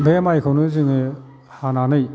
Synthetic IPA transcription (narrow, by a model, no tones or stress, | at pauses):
bemajkʰɯwnɯziŋi | hananɯj